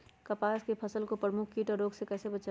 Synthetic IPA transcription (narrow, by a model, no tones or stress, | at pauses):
kəpaːskepʰəsəlkopɾəmukʰkiːʈɔɾoːɡsekɛːsebət͡ʃa